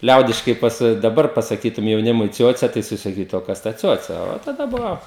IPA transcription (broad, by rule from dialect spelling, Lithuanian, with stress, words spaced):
ˈlʲɛʊdʲɪʃkɐɪ ˈpɑːsɐ dɐˈbɐr pɐsɐˈkʲiːtʊm jɛʊˈnʲɪmʊɪ ˈt͡sʲuɔt͡sʲɛ tɐɪ jɪˈsɐɪ sɐˈkʲiːtʊ oː ˈkɐs tɐ ˈt͡sʲuɔt͡sʲɛ oː tɐˈdɐ ˈbʊʋoː